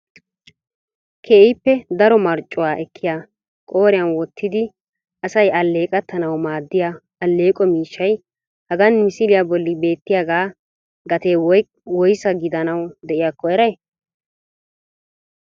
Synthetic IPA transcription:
kʰeːʔɪpːɛd̪ɐɾɔmɐɾt͡ʃʼːʊwaːʔɛkʰːɪja | kʼo̞ːɾɪjɐnwɔt̪ʰːɪd̪ɪ | ɐsɐjɐlːe̞ːkʼɐt̪ʰːɐnɐwmaːd̪ːɪja | ɐlːe̞ːkʼɔmiːʃːɐj | hɐɡɐnmɪsɪlɪjabɔlːɪbe̞ːt̪ːɪjaɡaː | ɡɐt̪eː | wɔjsɐɡɪd̪ɐnɐwd̪ɛʔɪjaːkːɔjɛɾɐj

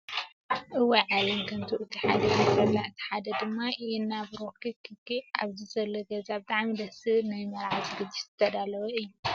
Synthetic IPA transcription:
ʔɨwiʕalɐmkʰɐnt̪ʰuʔɨt̪ʰiħad̪ɐkɐfɐlːaʔɨt̪ʰi̥ħad̪ɐd̪ɨmːaʔɛnːabɾokʰɨkʰɨkːia̰βzizɐlːɐɡɐzabɨt̪ʼaʕmid̪ɐsɨnajmɐɾʕat̪ɡɨd̪ːizɨt̪ʰːɐd̪alɐwɐɨjːu

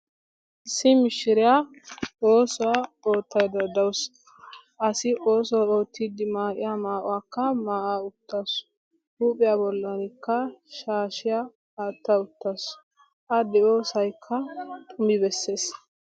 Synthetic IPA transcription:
ʔɪsːɪmɪʃːɪɾɪja | oːsɔwao̞ːt̪ʰːɐjd̪ɐd̪ɐws | ʔɐsɪʔo̞ːsɔao̞ːt̪ʰːiːd̪ɪmaːkʼɪ̰jamaːʔɔ̰wakːɐmaːʔaːʊt̪ːas | huːpʼɪjaːbɔlːɐnɪkːɐʃaːʃɪja | aːt̪ːɐʊt̪ːas | ʔɐd̪ɛo̞ːsɐjkʰːɐt̪ʼʊmɪbɛsːe̞ːs

